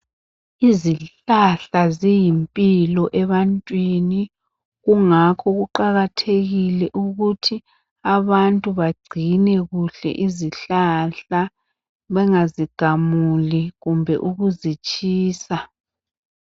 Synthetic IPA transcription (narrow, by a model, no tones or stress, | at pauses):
iziɬaɬazijimpʼilɔʔɛβantʼwini | ɣuŋakʰɔɣuǃaɣatʰeɣilɛʔuɣutʰi | aβantʼuβaɡ͡ǀʱinɛɣuɬɛ̰ʔiziɬaɬa | βɛŋaziɡ̥ʱamuliɣumbʱɛ̰ʔuɣuzit͡ʃʼiːsa